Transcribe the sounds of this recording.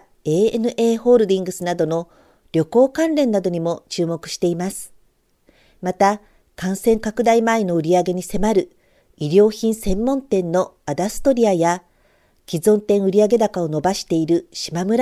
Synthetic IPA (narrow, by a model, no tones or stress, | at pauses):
e̞ːenɯ̟ʔe̞ːho̞ːɾɯ̟d̪ʲĩŋɡɯ̟sɨnad̪o̞no̞ | ɾʲo̞ko̞ːkãnɾẽ̞nːad̪o̞ɲ̟imo̞t͡ɕɨːmo̞kɯ̟ɕi̥t̪e̞imasɨ̥ | mat̪a | kãɰ̃sẽ̞ŋkakɯ̟d̪aimaino̞ɯ̟ɾʲiaɡe̞ɲ̟ise̞maɾɯ̟ | iɾʲo̞ːçĩɰ̃sẽ̞mːõ̞nt̪ẽ̞nːo̞ | ad̪asɨ̥t̪o̞ɾʲiaja | kʲizõ̞nt̪ẽ̞ɰ̃ɯ̟ɾʲiaɡe̞d̪akao̞no̞baɕi̥t̪e̞iɾɯ̟ɕimamɯ̟ɾa